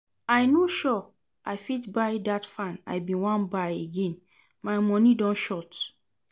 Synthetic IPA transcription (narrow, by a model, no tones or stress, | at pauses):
aɪnoʃɔ | ʔaɪfitbaɪdatfãna̰ɪbĩwãnbaɪeɡẽn | mãɪmɔ̃nĩdɔ̃nʃɔt